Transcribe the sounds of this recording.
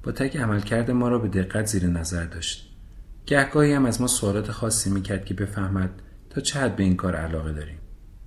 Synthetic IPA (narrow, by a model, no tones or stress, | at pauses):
b̥ɒːt̪ʰæcʰæmælcʰæɾd̪e̞mɒːɾɒːbe̞d̪e̞ɣːæt̪ʰziːɾenæzæɾd̪ɒːʃt̪̚ | ɟ̥æhɡɒːhiːhæmæzmɒːsoɒːlɒːt̪ʰe̞xɒːsːiːmiːcʰæɾd̪̥̚cʰe̞be̞fæhmæd̪̥̚ | t̪ʰːɒːt͡ʃʰehæd̪̚be̞iːŋkʰɒːɾæ̰lɒːɣe̞d̪ɒːɾiːm